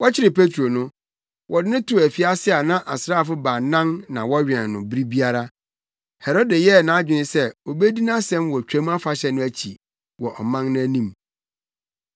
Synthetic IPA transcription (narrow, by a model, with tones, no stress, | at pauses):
wɔ˦t͡ɕʰɪ˦ɾɪ˨pʰe˦tʰɾo˨nʊ̃˦ | wʔɔ˨dɪ˦nʊ̃˦tʰʊ˨æ˨fi˦a˦sɪ˦a˨nã˦ʔa˨sɾa˦˨fʊ˦baː˨nã˦nnã˨wɔ˦ɥᶣɛ̃˨nː˨ʊ̃˨bi˦ɾi˦bi˦a˦ɾa˦ | hɛ˨ɾɔ˦dɛ˨jɛ˦˨nã˨˦d͡ʑᶣɪ˨˦ɪ̃˦sɛ˦o˨be˦di˦nã˦sɛ̃˦mwɔ˨t͡ɕᶣæ̃˦m˦a˦fa˨ɕɛ˦nʊ̃˦æ˦t͡ɕʰḭ˨ | wɔ˨ʔɔ˨mã˦nnʊ̃˦æ˦nĩ˦˨m